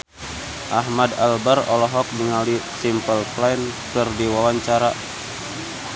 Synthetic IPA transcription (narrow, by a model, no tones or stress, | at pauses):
ʔaɦmadalbaɾɔlɔɦɔk̚niŋalisimpəlflankɨrdiwawaɲt͡ʃaɾa